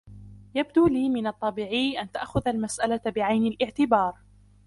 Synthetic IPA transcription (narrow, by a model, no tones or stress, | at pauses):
jab̚d̪uːliːmɪnɑt̪ˤːɑbiːʕiːʔant̪aʔxʊðalmasʔalabɪʕajnalʔɪʕt̪ɪbɑːɾˤ